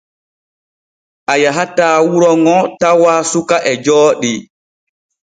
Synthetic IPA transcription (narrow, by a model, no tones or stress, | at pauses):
ʔajaɦataːwuɾɔŋɔtawaːsukaʔɛd͡ʒɔːɗi